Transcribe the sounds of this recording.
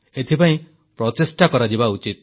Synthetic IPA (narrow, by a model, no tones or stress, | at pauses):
et̪ʰipaĩ | pɾɔt̪esʈakɔɾad͡ʒibaut͡ʃit̪̚